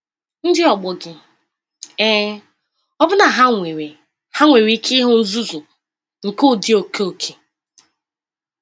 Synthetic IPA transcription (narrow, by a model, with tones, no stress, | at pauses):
n̩˦dɪ˦ɔ˨ɡ͡bʊ˨ɡɪ˦ | eː˦ | ɔ˦bʊ˦na˨ɦa˦ŋe˨we˨ | ha˦ŋʷe˨wi˦kʰɪ˦ɦʊ˦n̩˦zu˦zʊ˨ | ŋ̩˨kʊ˦˨dɪ˦o˨kʰe˦o˨kʰe˨